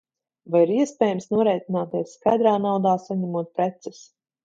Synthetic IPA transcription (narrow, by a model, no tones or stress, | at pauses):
vajiɾiɛspʲɛːjɛmsnuɔɾɛjt̪ʲinaːt̪iɛsskajd̪ɾaːnawd̪aːsaɲɛmuɔt̪̚pɾɛt̪sɛs